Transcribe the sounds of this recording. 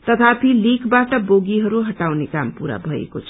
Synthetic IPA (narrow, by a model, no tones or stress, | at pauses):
t̪ʌt̪ʰat̪ʰilikbaʈʌboɡiɦʌɾuɦʌʈawnekampuɾa̰bʱʌḛkot͡sʰ